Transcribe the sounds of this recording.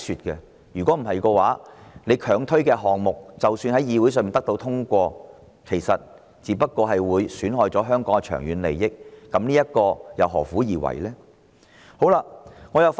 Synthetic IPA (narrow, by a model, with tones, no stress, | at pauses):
syː˨t̚kɛ˧ | jyː˨˩kʷwɔː˨˥m̩˨˩hɐ˨jkɔː˧waː˨˥ne˨˧jkʰœː˨˩ŋt̪ʰɵ˥ɥkɛː˧ɦɔː˨ŋmʊ˨k̚t͡sɐ˨wsyː˧nɦɐ˨˥jiː˨˧wu˨˥sœː˨ŋmiː˨nt̪ɐ˥k̚t̪o˧wt̪ʰʊ˥ŋkʷɔː˧ | kʰe˨˩jsɐ˨t̚ | t͡siː˨˧pɐ˥t̚kɔː˧ɦɐ˨jwuː˨˧jsyː˨˥nɦɔː˨jt͡sɔː˨˥ɦœː˥ŋkɔː˨˥ŋɛ˧t͡ʃʰœ̰ː˨˩ŋjyː˨˧nlḛ˨jːɪ˥k̚ːɐ˨˥mniː˥jɐ˥t̚kɔː˧jɐ˨˩wɦɔ̰ː˨˩fuː˨˥jiː˨˩wɐ̰˨˩jlɛː˥ | ho˨˥wlaː˧ŋɔː˨˧jɐ˨˧wf